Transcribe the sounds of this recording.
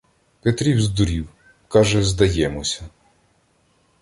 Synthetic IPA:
pet̪ɾʲiwzd̪ʊɾʲiw | kɑʒɛzd̪ɐjɛmɔsʲɐ

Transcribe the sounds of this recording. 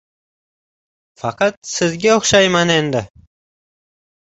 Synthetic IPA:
fɑqɑt̪sɪzɡʲaoχʃɑjmane̞nd̪ɪ

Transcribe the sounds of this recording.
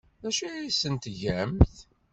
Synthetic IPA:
æʃæisənt̪ʝæmθ

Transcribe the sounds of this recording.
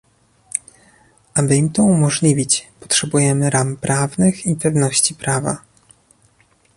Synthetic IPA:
ʔabɘimt̪ɔumɔʐlʲivʲit͡ɕpɔ̥tʂɛbujɛmɘɾampɾʔavnɘxipɛvnɔɕt͡ɕipɾava̰

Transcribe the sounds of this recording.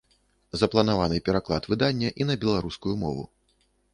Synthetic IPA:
zɐplˠɐnavanɨpʲɛɾaklˠa̰t̪vɨd̪anʲːɐʔinɐbʲɛlˠaɾuskujumɔ̰vṵ

